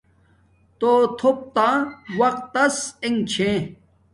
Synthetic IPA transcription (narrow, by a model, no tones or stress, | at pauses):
t̪oːt̪ʰop̚t̪ãːwɐqt̪ːɐseŋt͡ɕʰẽ